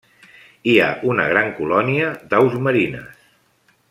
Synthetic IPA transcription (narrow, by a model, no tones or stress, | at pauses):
ia̰ʔunəɣɾaŋkulɔniəd̪awzməɾinə̰s